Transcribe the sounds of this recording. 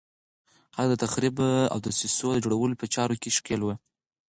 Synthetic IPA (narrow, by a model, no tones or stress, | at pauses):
had̪ət̪axɾiba̰wd̪əsisod̪əd͡ʒoɽawəlopət͡ʃɑɾokeʃkelwə